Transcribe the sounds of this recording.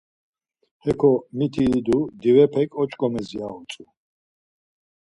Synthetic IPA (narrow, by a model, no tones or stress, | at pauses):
hɛkʰɔmit̪ʰiːd̪ud̪ivɛpʰɛkʼɔt͡ʃʼkʼɔmɛziaɔt͡sʼu